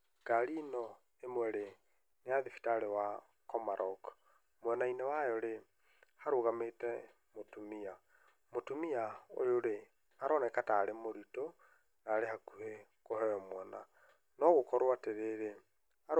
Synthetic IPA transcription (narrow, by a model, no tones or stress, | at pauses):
ɡ̥aɾinɔ | emwɛɾe | neaðifi̥taɾewa | kɔmaɾɔk | mwɛnainewajɔɾe | haɾoɣametɛ | motumia | motumiao̰ɾoɾe | aɾɔnɛkataːɾemoɾito | naːɾehakuhe | kohɛɔmwɛna̰ | nɔɣokɔɾwateɾeɾe | aɾ